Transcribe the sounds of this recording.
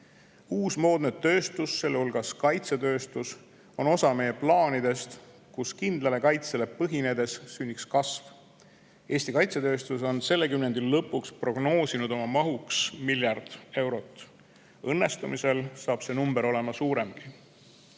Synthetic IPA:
uːsmo̞ːd̪̥ned̪t̪ːø̞ːst̪usːe̞lːehulɡ̥ɑskɑjt̪se̞t̪ø̞ːst̪us | o̞no̞sɑme̞je̞plɑːnid̪e̞st̪ | kuskind̪̥lɑle̞kɑjt̪sele̞pɤɦine̞d̪e̞sːynʲːikskɑsv | e̞ːsʲt̪ikɑjt̪se̞t̪ø̞ːst̪uso̞nse̞lːe̞kymne̞nd̪̥ilːɤ̞pːˑukspro̞ɡ̥no̞ːsinud̪o̞mɑmɑɦuksmiljɑrd̪̥e̞wɾo̞t̪ːˑ | ɤnːe̞st̪umise̞lsɑːb̥se̞numbeɾo̞le̞mɑsuːɾe̞mɡ̥i

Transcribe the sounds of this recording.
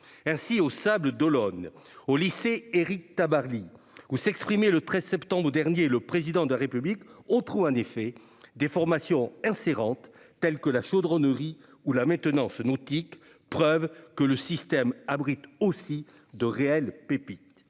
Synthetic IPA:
ɛ̃siosabləd̪ɔlɔnoliseeʁik̚t̪abaʁli | usɛkspχimelət̪χɛzsɛpt̪ɑ̃bʁəd̪ɛʁnjeləpχezid̪ɑ̃d̪əlaʁepyblikɔ̃t̪χuɑ̃nefɛ | d̪efɔʁmasjɔ̃ɛ̃seʁɑ̃t̪ː | ɛlkəlaʃod̪ʁɔnəʁi | ulamɛ̃t̪ənɑ̃snɔt̪ik | pχœvkələsist̪ɛmabʁit̪osi | d̪əʁeɛlpepit̪

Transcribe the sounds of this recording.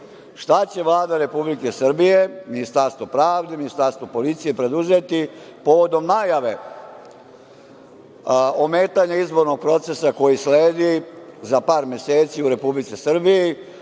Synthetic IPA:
ʃt̪at͡ɕe̞ʋlˠaːd̪aɾe̞publike̞srbije̞minist̪aɾst̪ʋo̞pɾaːʋd̪e̞minist̪aɾst̪ʋo̞po̞lit̪sije̞pɾe̞d̪uze̞t̪ipo̞ʋo̞d̪o̞mnajaʋe̞ | ome̞ːt̪aɲaizbo̞ɾno̞ɡ̚pɾo̞t̪se̞sako̞jisleːd̪izapaːɾmʲe̞se̞ːt̪siuɾe̞publit̪sisr̩biji

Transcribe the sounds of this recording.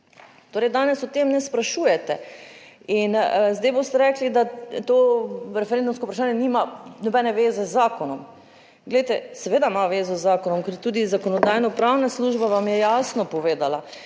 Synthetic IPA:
t̪oːɾɛjd̪aːnɛsɔt̪emnɛspɾaʃuːjɛt̪ɛ | inzd̪ajbost̪ɛɾɛklid̪at̪oɾɛfɛɾend̪umskoupɾaʃaːnjɛnimanɔbɛnɛʋeːzɛzːaːkɔnɔm | ɡlɛjt̪ɛsɛʋeːd̪amaʋeːzɔzːaːkɔnɔmkɛɾt̪uːd̪izakɔnɔd̪aːjnɔpɾawnasluːʒbaʋamjɛjaːsnɔpɔʋeːd̪ala

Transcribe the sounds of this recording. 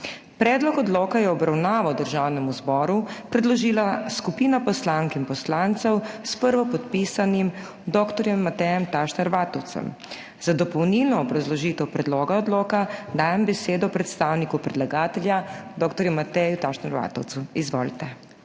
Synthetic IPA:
pɾɛːd̪lɔkɔd̪loːkajɛɔbɾawnaːʋawd̪əɾʒawnɛmuzbɔːɾupɾɛd̪lɔʒiːlaskupiːnapɔslaːŋkinpɔslant̪sɛwspəɾʋɔpɔt̪piːsanim | d̪ɔːkt̪ɔɾjɛmːat̪ɛjɛmt̪aʃnɛɾʋaːt̪ɔwt̪sɛ̰m | z̥ad̪ɔpɔwnilnɔːbɾazlɔʒiːt̪ɛwpɾɛd̪lɔːɡaɔd̪loːkad̪aːjɛmbɛseːd̪ɔpɾɛt̪st̪aːwnikupɾɛd̪laɡaːt̪ɛljad̪ɔːkt̪ɔɾjumːat̪ɛjut̪aʃnɛɾʋa̰ːt̪ɔwt̪suizʋɔːlit̪ɛ

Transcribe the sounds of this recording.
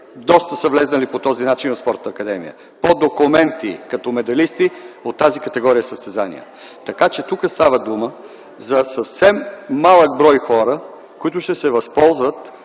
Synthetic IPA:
d̪ɔst̪əsəvlɛznəlipot̪ɔzinat͡ʃinvɐspɔɾt̪nɐːkɐd̪ɛmḭjə̰ | pod̪okumɛnt̪ikɐt̪ɔmɛd̪ɐlist̪iot̪ːazikɐt̪ɛɡɔɾijəsəst̪ɛzanḭjə̰ | t̪ɐkat͡ʃɛt̪ukəst̪avəd̪umə | zɐsɐfsɛmːalˠəɡ̚bɾɔjxɔɾə | kʊit̪ʊʃt̪ɛsɛvɐspɔlˠzvət̪

